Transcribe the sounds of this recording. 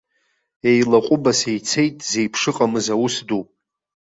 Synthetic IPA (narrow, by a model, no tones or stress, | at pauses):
e̞jlaqʷʼʊbasejt͡sʰe̞jtʼze̞jpʰʂɨqʼamɨzawusdupʼ